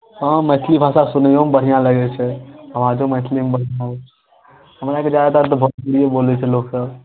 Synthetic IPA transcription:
ɦə̃məɪt̪ʰlibʱasasunəjomebəɽ̤ijãləɡɛt͡ʃʰɛɦəmãd͡ʒomət̪ʰlimebəɽ̤jão | həmɾaked͡ʒaɛt̪at̪̬ɔbʱətpuɽijebolɛt͡ʃʰɛloksəb

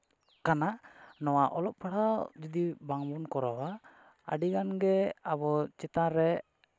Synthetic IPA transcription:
kananɔwaʔɔlɔp̚paɽad͡ʒid̪ibaŋbɔnkɔɾɔwa | a̰ɖiɡanɡɛabɔt͡ʃɛt̪aɾɛ

